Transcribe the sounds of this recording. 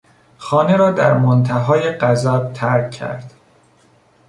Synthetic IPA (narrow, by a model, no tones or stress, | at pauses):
xɒːne̞ɾɒːd̪æɾmont̪ʰæɦɒːjeɢæzæb̥̚t̪ʰæɾcʰːæ̰ɾd̪̥